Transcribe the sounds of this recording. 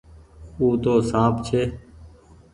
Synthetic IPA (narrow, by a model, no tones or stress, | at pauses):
uːt̪oːsãːpt͡ʃʰeː